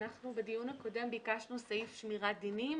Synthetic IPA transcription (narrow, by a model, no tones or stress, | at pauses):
naχnubed̪ijunako̞de̞mbikaʃnusajifʃmiʁad̪inim